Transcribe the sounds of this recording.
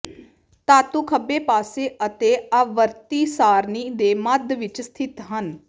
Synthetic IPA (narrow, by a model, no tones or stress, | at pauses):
t̪aːt̪ũːkʰəbeːpaːseːʔət̪eːaʋəɾt̪iːsaːɾniːd̪eːməd̪ʋɪt͡ʃst̪ʰɪt̪ɦən